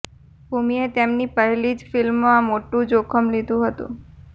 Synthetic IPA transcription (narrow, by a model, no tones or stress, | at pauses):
bʱumiet̪emnipəɦelid͡ʒfilmːãmoʈũd͡ʒokʰəmlid̪ʱũɦət̪ṵ̃